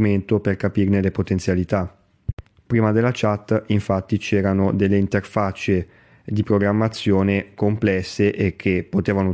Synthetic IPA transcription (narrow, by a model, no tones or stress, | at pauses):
ument̪operkapiːrnelepot̪ent̪sjalit̪a | pɾiːmad̪elːat͡ʃat̪ːiɱfat̪ːit͡ʃɛːɾanod̪elːeint̪erfat͡ʃe | d̪ipɾoɡɾamːat̪sːjoːnekomplɛsːeʔek̟ʰːepːot̪eːvano